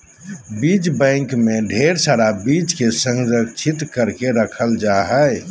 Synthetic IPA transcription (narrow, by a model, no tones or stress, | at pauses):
bid͡ʒbɛ̃ŋkmẽɖʱeːɾsaɾabid͡ʒkesə̃ŋɡɾəkt͡ʃʰit̪kəɾkeɾəkʰəld͡ʒaɦɛe